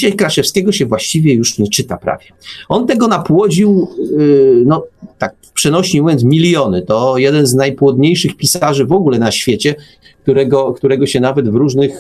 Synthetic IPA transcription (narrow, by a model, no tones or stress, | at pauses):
iɕajkɾaʂɛfskʲɛɡɔɕɛvwaɕt͡ɕivʲjɛjuʂɲɛt͡ʂɘt̪apɾa̰vʲjɛɔnt̪ɛɡɔnapwɔd͡ʑiw | nɔt̪ak̚pʂɛnɔɕiimuvʲjɔnt̪smʲilʲjɔnɘt̪ɔjɛd̪ɛnznajpwɔd̪ɲejʂɘxpʲisaʐɘvɔɡulɛnaɕfʲjet͡ɕɛ | k̚t̪uɾɛɡɔkt̪uɾɛɡɔɕɛnavɛd̪vɾuʐnɘx